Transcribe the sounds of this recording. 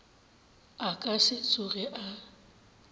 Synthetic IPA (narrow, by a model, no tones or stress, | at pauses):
akʼasɪt͡sʼʊɣɛʔa